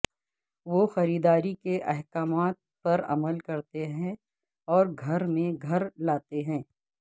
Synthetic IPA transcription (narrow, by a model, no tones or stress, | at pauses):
ʋoxɐɾiːd̪aːɾikeʔɛɦkaːmaːt̪̚pɐɾɐ̰məlkɐɾt̪eɦɛ̃ | ɔːɾɡʱɐɾmẽɡʱɐɾlaːt̪eɦɛ̃ː